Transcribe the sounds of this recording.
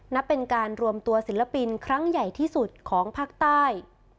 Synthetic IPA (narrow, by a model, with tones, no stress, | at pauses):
na˦˥pːe˧nkaː˧nɾu˧əmt̪u˧ɐsi˩˦la˧pi˧nkʰɾa˦˥ŋja˨˩jt̪ʰiː˥˩su˨˩t̪̚kʰɔː˩˦ŋpʰaː˦˥˩k̚t̪aː˥˩j